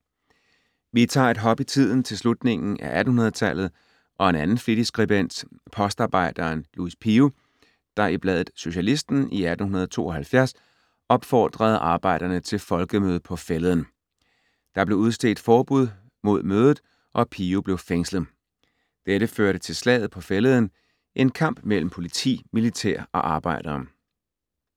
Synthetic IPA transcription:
ʋit͡sʰɑ̰̈ːe̝d̥ɦɒ̽b̥it͡sʰið̞̰ˠn̩t͡sʰe̝lslud̥ne̝ŋn̩ʔæ̰ʔæd̥n̩hunɐð̞ˠt͡sʰæl̰ð̞̩ˠ | ʔɒ̽e̝nænn̩fid̥isɡ̥ʁiben̰d̥pʰɒ̽sd̥ɑ̈ːb̥ɑ̈ɪ̰d̥ɐnluispʰiu | d̥ɑ̈ib̥lɛðˠð̩ˠso̝ɕælisd̥n̩iæd̥n̩hunɐð̞ˠt͡sʰo̝̰ːɒhælfjæɐs | ɒ̽b̥fɒ̰ːd̥ʁɐð̞̩ˠɑ̈ːb̥ɑ̈ɪ̰d̥ɐnət͡sʰe̝lfɒ̽lɡ̥əmøːð̞̩ˠpʰɒ̽felðˠən̩ | d̥ɑ̈b̥le̝uð̞ˠsd̥e̝l̰d̥fɒːb̥uð̰ˠ | mo̝ð̞̰ˠmøːðˠð̩ˠ | ʔɒ̽pʰiːub̥le̝ʊfeŋsləð̩ˠ | d̥eɾəføɐɾət͡sʰe̝lslɛ̰ːð̞̩ˠpʰɒ̽feləð̩ˠən̩ | ʔe̝nkʰɑ̈m̰b̥mel̰m̩pʰo̝lit͡sʰḭːmilit͡sʰḛɐ̰ɒ̽ʔɑ̈ːb̥ɑ̈ɪ̰ɾ̥ɐː

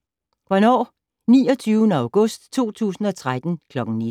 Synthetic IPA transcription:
ʋɒnɒ̰ː | nḭːɒt͡sʰyːʊnəɑ̈ʊɡ̥ɔ̽sd̥t͡sʰo̝̰ːt͡sʰṵːsn̩ɒ̽t͡sʰʁad̥n̩kʰlɒ̽ɡ̥ŋ̩ni

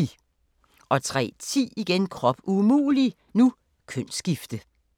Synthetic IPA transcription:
i | ʔɒ̽t͡sʰʁɛ̰ːt͡sʰḭːiɡ̥enkʰʁɒ̽b̥umṵːli | nu | kʰøn̰sɡ̥ifd̥ə

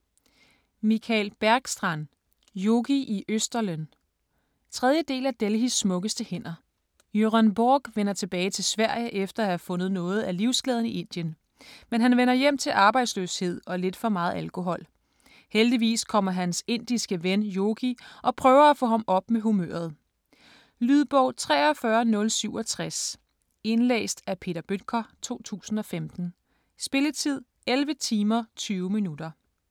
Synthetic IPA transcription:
mikʰælb̥æɐɡ̥sd̥ʁɑn | joɡ̥iʔiʔøsd̥ɐlən | t͡sʰʁɛð̞ˠjəd̥e̝̰ːlæd̥elhisːmɔ̽ɡ̥əsd̥əhen̰ɐ | jøʁænb̥oːɡ̥ʋenɐt͡sʰe̝b̥ɛːɪt͡sʰe̝lsʋæɐ̰jəʔefd̥ɐæhæfɔ̽nð̩ˠnɔ̽ːð̞̩ˠæliʊsɡ̥lɛðˠn̩iʔe̝n̰d̥jən | menɦænʋenɐjem̰t͡sʰe̝lʔɑ̈ːb̥ɑ̈ɪd̥sløshe̝ð̞̰ˠɒ̽le̝d̥fɒ̽mɑ̈ːð̞̩ˠælkʰo̝ɦɒ̽l̰ | held̥iʋḭːskʰɒ̽m̰ɐɦænse̝n̰d̥isɡ̥əʋenjo̝ːɡ̥iʔɒ̽pʰʁœːʊɐæfɔ̰̽ːɦɑ̈mʔɒ̽b̥̚meɦumø̰ɐð̞ˠ | lyðˠb̥ɒʊ̰t͡sʰʁɛ̰ːɒ̽fɶɐnɔ̽lsyʊɒ̽t͡sʰʁas | e̝nlḛːsd̥æpʰe̝̰ɾɐb̥ød̥kʰɐt͡sʰo̝̰ːt͡sʰṵːsn̩ɒ̽femd̥n̩ | sb̥e̝lət͡sʰið̞̰ˠ | elʋət͡sʰiːmɐt͡sʰyːʊminud̥ɐ

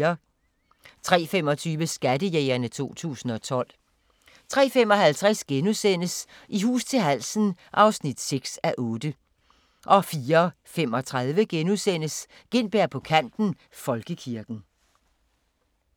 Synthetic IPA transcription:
ɐ | t͡sʰʁɛ̰ːfem̰ɒ̽t͡sʰyːʋəsɡ̥ædəjeːɪɐnət͡sʰo̝̰ːt͡sʰṵːsn̩ɒ̽t͡sʰɒ̽l̰ | t͡sʰʁɛ̰ːfemɒ̽ɦælt͡sʰʁɛsɡ̥enusen̰əsʔiɦṵːst͡sʰe̝lɦæl̰sn̩ʔɑ̈ʊsnid̥seɡ̥sæʔɔ̽ːd̥ə | ʔɒ̽fiːɐ | femɒ̽t͡sʰʁað̞ˠʋəɡ̥enusen̰əsɡ̥e̝n̰b̥eɐ̰pʰɒ̽kʰæn̰d̥n̩ | fɒ̽lɡ̥əkʰiɐɡ̥n̩

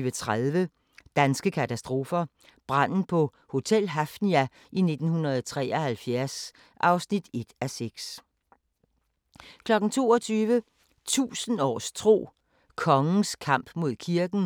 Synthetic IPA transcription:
ʋət͡sʰʁaðˠʋə | d̥ænsɡ̥əkʰæt͡sʰæsd̥ʁo̝ːfɐ | b̥ʁɑn̰n̩pʰɒ̽ | ho̝t͡sʰel̰ɦæfniæ | ʔine̝d̥n̩hunɐð̩ˠt͡sʰʁɛ̰ːɒhælfjæɐs | ʔɑ̈ʊsnid̥e̝d̥æseɡ̥s | kʰlɒ̽ɡ̥n̩t͡sʰo̝̰ːɒt͡sʰyːʋə | t͡sʰṵːsən̩ɒ̰ːst͡sʰʁo̝̰ː | kʰɒ̽ŋn̩skʰɑ̈m̰b̥mo̝ð̞̰ˠkʰiɐɡ̥n̩

